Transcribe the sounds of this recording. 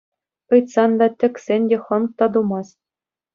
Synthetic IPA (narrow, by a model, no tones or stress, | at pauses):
ɤjt̪sɑnd̪ɑtʲɘ̆kʲsʲenʲdʲeχɤ̆nk̚t̪ɑd̪umɑs